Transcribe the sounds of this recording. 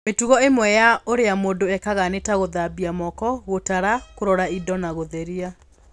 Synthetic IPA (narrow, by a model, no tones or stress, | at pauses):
metuɣɔemwɛjaoɾeamoːndoɛkaɣanetaɣoðabiamɔkɔɣotaɾakoɾɔɾaidɔnaɣoðɛɾia